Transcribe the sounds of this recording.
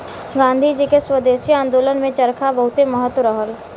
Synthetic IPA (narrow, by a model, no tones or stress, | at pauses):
ɡãːnd̪ʱid͡ʒikeswəd̪eːʃiãːnd̪oːlənmẽt͡ʃəɾkʰabəɦʊt̪eməɦət̪wəɾəɦəl